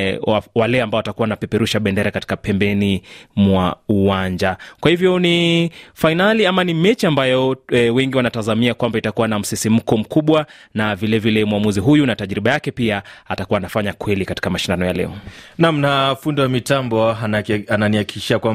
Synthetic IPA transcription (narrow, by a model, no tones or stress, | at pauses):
awalɛambaɔatakuwanapɛpɛɾuʃaɓɛndɛɾakati̥kapɛmbɛnimwauwaɲd͡ʒakwahivjɔnifainaliamanimɛt͡ʃiambajɔwɛŋɡiwanatazamiakwambaitakuwanam̩sisim̩kɔm̩kuɓwanavilɛvilɛmuwamuziɦujunataʄɾiɓajakɛpiaatakuwaːnafaɲakwɛlikati̥kamaʃindanɔjalɛ̰ɔnam̩nafundiwamitambɔananiaki̥kiʃiakwam